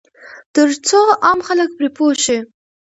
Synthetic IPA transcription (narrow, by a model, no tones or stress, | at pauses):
t̪əɾt͡soʔɑmxalək̚pɾepoʃi